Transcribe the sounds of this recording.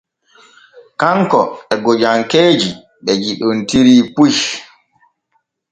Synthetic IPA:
kaŋkɔ̰ɛɡod͡ʒaŋkeːd͡ʒi | ɓɛd͡ʒiɗontiɾiːpuʃ

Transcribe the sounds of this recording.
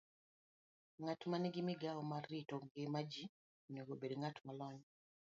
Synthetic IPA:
ŋatmaniɡimiɡaɔmarːitɔŋɡɪmad͡ʒi | neɡobedŋatmalɔɲ

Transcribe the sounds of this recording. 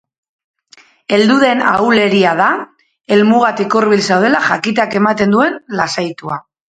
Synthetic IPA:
e̞ld̪uðe̞na̰wle̞ɾiað̞a | e̞lmuɣ̞at̪ikoɾβilsawð̞e̞laʝakit̪̬ake̞mat̪e̞nd̪ue̞nlasajt̪ua

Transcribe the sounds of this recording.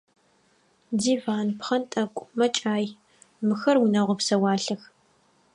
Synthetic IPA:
diːvaːnpχɐntʼɐkʷʼmɐt͡ʃʼaːj | mɨxɐrwʊnɐʁʷɔpsɐwɑːɬɐx

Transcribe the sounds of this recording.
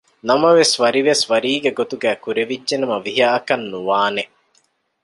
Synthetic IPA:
nɐmɐʋesʋɐɾiʋesʋɐɾiːɡɐɡot̪uɡæːkuɾeʋid͡ʒʒenɐmɐʋiɦaːɐkɐnːuʋaːneʔ

